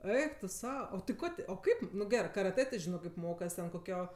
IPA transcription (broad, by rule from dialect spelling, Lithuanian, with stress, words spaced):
ˈɛɪk tʊ ˈsɐʊ oː tʲɪ ˈkoː tʲɪ oː ˈkɐɪp nʊ ˈɡʲæːrɜ kɐrɐˈtɜ tʲɪ ˈʒʲɪnoː kɐɪp ˈmoːkɐs tʲɛn koːˈkʲoː